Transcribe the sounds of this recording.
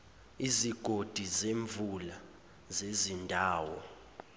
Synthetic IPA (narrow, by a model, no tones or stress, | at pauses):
iziɡ̥ʱod̥ʱizeɱvʱula | zezindʱaːwɔ